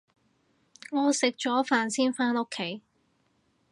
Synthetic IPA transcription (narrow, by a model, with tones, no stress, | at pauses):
ŋɔː˨˧sɪ˨k̚t͡ʃɔː˨˥faː˨nsiː˥nfaː˥no˥kʰːe˨˥j